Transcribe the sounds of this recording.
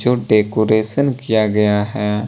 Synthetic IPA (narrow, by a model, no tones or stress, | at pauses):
d͡ʒoɖeːkoːɾeːʃənkijaɡɐjaɦɛː